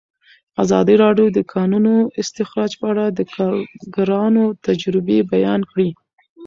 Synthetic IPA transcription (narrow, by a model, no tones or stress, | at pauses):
azɑd̪iɾɑɖjod̪əkʰɑnunoɪst̪ɪxɾɑd͡ʒpəaɽad̪əkɑɾɡaɾɑnot̪ad͡ʒɾɪbebajɑnkɽi